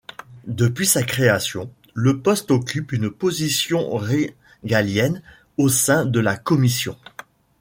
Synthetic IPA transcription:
d̪əpɥisakχeasjɔ̃ | ləpɔst̪ɔkʲʰypynpozisjɔ̃ʁe | ɡaljɛn | osɛ̃d̪əlakɔmisjɔ̰̃

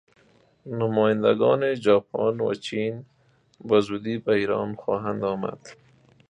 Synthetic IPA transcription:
nʊmɔːjand̪aɡɑːned͡ʒɑːpʰɑnwa̰t͡ʃin | bazuːd̪ibaiɾɑnxɑːɦand̪ɑːma̰d̪̥

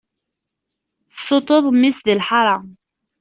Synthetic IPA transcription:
θsˤːot̪ˤoðˤmːisðilħɑɾˤɑ

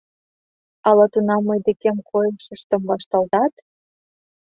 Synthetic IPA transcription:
ɑlɑt̪unɑmːəjd̪ekemkʰojəʃə̆ʃt̪ə̆mβɑʃt̪ɑlt̪ɑt̪

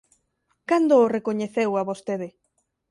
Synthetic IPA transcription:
kand̪oːrekoɲeθewaβost̪eðɪ

